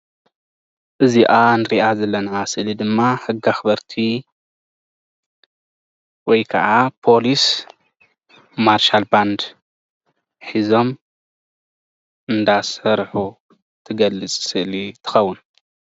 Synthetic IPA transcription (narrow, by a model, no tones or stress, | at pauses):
ʔɨziʔanɨɾiʔazɐlːɐnasɨʔlid̪ɨmːaħɨɡaxɨbɐɾt̪ʰi | wɔjkʰɐʔapʰo̞lis | maɾʃalband̪ | ħizo̞m | ɨnd̪asɐɾħu | t̪ʰɨɡɐlːɨt͡sʼsɨʔlit̪ʰɨ̥xɐwːun